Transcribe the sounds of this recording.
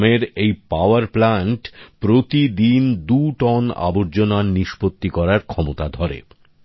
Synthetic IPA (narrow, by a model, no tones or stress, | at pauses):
meɾejpaoaɾplaɳʈpɾot̪id̪ind̪uʈɔna̰boɾd͡ʑonanniʃpot̪ːikɔɾaɾkʰɔmot̪ad̪ʱɔɾḛ